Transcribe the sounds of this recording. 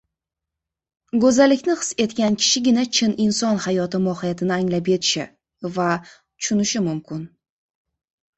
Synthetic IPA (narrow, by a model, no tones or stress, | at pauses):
ɡɵzalːɪkʲnɪqɨ̥se̞t̪kʲankʲʰɪ̥ʃɪɡʲɪnat͡ʃʰɪnɪnsɒnhajɒt̪ɪmɒhɪjat̪ʰɪnɪaŋlap̬je̞t̪ʰɪ̥ʃɪ | va | t͡ʃʰʊ̥ʃʊnɪʃɪmʊmkʲʰɪn